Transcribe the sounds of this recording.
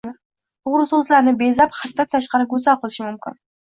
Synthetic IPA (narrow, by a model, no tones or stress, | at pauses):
t̪ʰʊʁɾʊsɵzlaɾnɪbezaphat̪ʰːat̪ʰːaʃqɑɾɪɡɵzalqʰɨlˠɪʃɪmʊmkʲɪ̰n